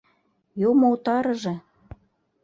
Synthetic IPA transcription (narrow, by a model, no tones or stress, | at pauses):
jomout̪ɑɾɤ̆ʒɤ̆